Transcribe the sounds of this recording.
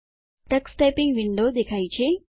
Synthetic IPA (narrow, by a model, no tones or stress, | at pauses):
ʈɐksʈepiŋɡʋiɳɖoːd̪ekʰajt͡ʃʰe